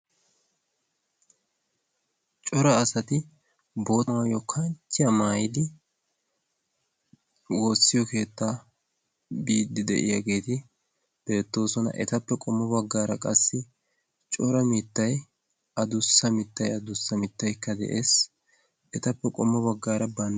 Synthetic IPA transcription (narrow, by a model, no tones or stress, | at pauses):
t͡ʃʼɔɾɐːsɐt̪ɪ | bo̞ːtaːjɔkʰɐnt͡ʃːɪjɐmaːjɪd̪ɪ | woːsːɪjɔke̞ːt̪ːaː | biːd̪ːɪd̪ɛ̰ʔɪ̰jɐ̰ɡe̞ːt̪ɪ | b̥e̞ːt̪ːo̞ːsɔnɐ̰ʔɛt̪ɐpːɛkʼɔmːɔbɐɡːaːɾɐkʼɐsːɪ | t͡ʃʼɔɾɐmɪt̪ːɐj | ɐd̪ʊsːɐmɪt̪ːɐjɐd̪ʊsːɐmɪt̪ːɐjkːɐd̪ɛ̰ʔeːs | ɛt̪ɐpːɛkʼɔmːɔbɐɡːaːɾɐbɐn